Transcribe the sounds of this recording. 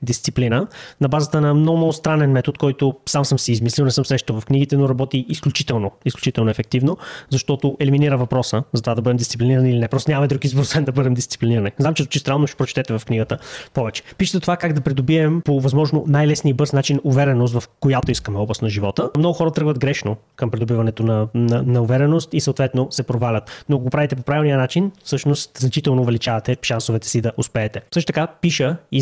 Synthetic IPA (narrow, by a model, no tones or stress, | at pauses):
d̪ist̪siplinənɐbazət̪ənɐmnɔɡʊmnɔɡʊst̪ɾanɛnmɛt̪ot̪kɔjt̪ʊsamsɤmsɛizmislʲilˠnɛsɤmsɾɛʃt̪ovɐfkniɡ̟it̪ɛnoɾɐbɔt̪iisklʲut͡ʃit̪ɛlˠnoisklʲu̥t͡ʃit̪ɛlˠnʊɛfɛk̚t̪ivnozɐʃt̪ɔt̪oʔɛliminiɾəvɐpɾɔsəzɐt̪ovad̪ɐbɤd̪ɛmd̪ist̪siplʲiniɾənilinɛpɾɔst̪nʲɲaməid̪ɾukizboɾosvɛnd̪ɐbɤd̪ɛmd̪ist̪si̥pliniɾəniznamt͡ʃɛzt͡ʃist̪ɾanlˠnoʃɛ̥pɾot͡ʃɛ̥t̪ɛt̪ɛvɐfkniɡət̪əpɔvɛt͡ʃɛ̥piʃət̪t̪ovakaɡd̪ɐpɾid̪obiɛmpovɐzmɔʒnonajlɛsniəibɤɾsnat͡ʃinʊvɛɾɛnos̬t̪vɐfkojat̪oiskəmɛɔblˠɐst̪nɐʒivɔt̪əmnɔɡʊxɔɾət̪ɾɤɡvəd̪ɡɾɛʃno | kɐmpɾid̪ʊbivɐnɛt̪onɐnɐnɐʊvɛɾɛnost̪isəoːt̪vɛt̪nosɛpɾovalʲət̪noɐk̬oɡopɾavit̪ɛp̬opɾavilˠniənat͡ʃinfsɤʃnost̪znɐt͡ʃit̪ɛlˠnoːvɛlit͡ʃavɐt̪ɛʃansovɛt̪ɛ̥sid̪ɐʔʊspɛːt̪ɛsɤʃt̪t̪əkapiʃəi